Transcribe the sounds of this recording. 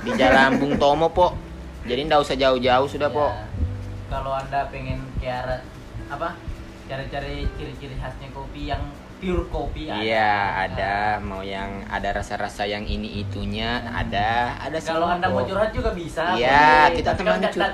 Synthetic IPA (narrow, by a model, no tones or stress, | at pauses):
bid͡ʒalambʊŋt̪omɔpɔʔ | d͡ʒadindausad͡ʒaʊhd͡ʒaʊhsudapɔʔ | kaloandapɛŋɛnkear | apa | t͡ʃaɾit͡ʃaɾit͡ʃiɾit͡ʃiɾiɦasɲakopijaŋ | fiulkopiaijaa̰damaujaŋa̰daɾasaɾasajaŋiniʔit̪uɲaa̰daa̰daskaloandamɔd͡ʒɔɾhad͡ʒuɡabisajakit̪at̪iaɲat͡ʃu